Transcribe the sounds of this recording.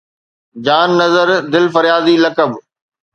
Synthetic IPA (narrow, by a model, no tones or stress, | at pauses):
d͡ʑaːnːɐzəɾd̪ɪlfɐɾjaːzilɐkəb